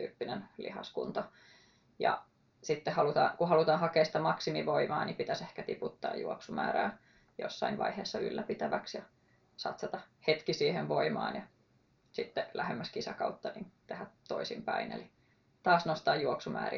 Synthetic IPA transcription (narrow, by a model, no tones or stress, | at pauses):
t̪y̰ːpːinenlḭhɑ̰skṵnt̪o | jɑ̰ | sit̪ːehɑlut̪ɑ̰ːkuhɑlut̪ɑːhɑkeːsi̥t̪æmɑksimiʋoimɑːnipit̪æsehkæt̪iput̪ːɑ̰ːjṵoksumæ̰ːɾæː | jo̰sːɑinʋɑ̰iheːsːɑy̰lːæpit̪æʋæksjɑ | sɑ̰t̪sɑt̪ɑhet̪kisiːhenʋoimɑ̰ːnjɑ | sit̪ːelæhemːæskisækɑut̪ːɑnḭnt̪ehæt̪ːoisimpæinḛli | t̪ɑːsnost̪ɑːjjuoksumæ̰ːrḭ